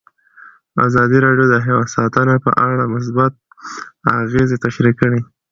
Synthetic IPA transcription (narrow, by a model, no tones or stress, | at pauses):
a̰zɑd̪iɾɑɖjod̪əɦewasɑt̪ənapə̰ʔaɽamʊs̬bat̪̚ | aɣezet̪aʃɾikəɽi